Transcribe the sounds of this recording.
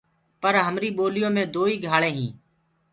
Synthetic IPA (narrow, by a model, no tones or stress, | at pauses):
pəɾɦəmɾiːɓoːlɪjõːmẽːd̪oːiːɡʱaːɭẽːɦĩː